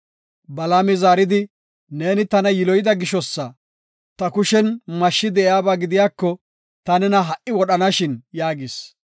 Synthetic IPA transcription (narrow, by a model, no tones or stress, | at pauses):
bɐlaːmɛzaːɾɪd̪ɪ | ne̞ːnɪt̪ɐnɐjɪlɔjɪd̪ɐɡɪʃɔsːɐ | t̪ɐkʊʃɛnmɐʃːɪd̪ɛʔjaːbaːɡɪd̪ɪjaːkːɔ | t̪ɐnɛnɐɦɐʔɪwɔɗɐnɐʃɪnjaːɡɪs